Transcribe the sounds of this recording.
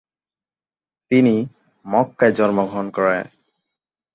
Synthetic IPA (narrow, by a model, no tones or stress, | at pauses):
t̪ini | mɔkːajd͡ʑɔɾmoɡʱɔnkɔɾḛ